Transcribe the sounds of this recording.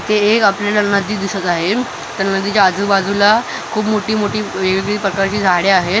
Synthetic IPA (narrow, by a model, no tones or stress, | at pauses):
t̪eːkapljalanəd̪iːd̪isət̪aɦe | t̪əɾnəd̪iːt͡ɕaːd͡zʱubad͡zʱula | kʰuːpmoʈiːmoʈiːʋeɡiɡliːpɾəkaɾt͡ɕiːd͡zʱaɽeaɦe